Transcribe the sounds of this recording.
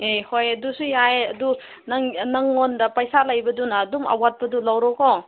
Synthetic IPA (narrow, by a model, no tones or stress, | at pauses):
ehojɐdusujaeɐdu | nɐŋnɐŋːondɐpɐjsalɐjbɐdunɐːduma̰wat̚pɐdulɐwɾɔkʰo